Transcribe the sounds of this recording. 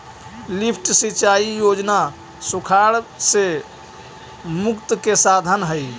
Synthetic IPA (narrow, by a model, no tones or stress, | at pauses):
lipʰʈsit͡ʃaijod͡ʒna | sukʰaɽse | mukt̪kesad̪ʱənɦəj